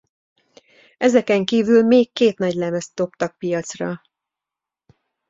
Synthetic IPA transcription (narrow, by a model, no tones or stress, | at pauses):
ɛzɛkɛŋkiːvylmeːkːeːt̪nɒɟlɛmɛst̪d̪o̞pt̪ɒk̚pijɒt̪srɒ